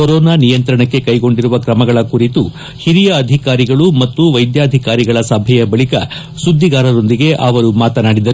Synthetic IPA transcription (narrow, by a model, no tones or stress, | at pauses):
koɾɔːnaːnijɐnt̪ɾɐɳɐkːe̞kɐjɡo̞ɳɖiɾuʋɐkɾɐmɐɡɐɭɐkuɾit̪u | hiɾijɐːd̪ʱikaːɾiɡɐɭumɐt̪ːuʋɐjd̪jaːd̪ʱikaːɾiɡɐɭɐsɐbʱɛjɐbɐɭikɐ | sud̪ʱːiɡaːɾɐɾo̞nd̪iɡe̞ʔɐʋɐɾumaːt̪ɐnaːɽid̪ɐɾu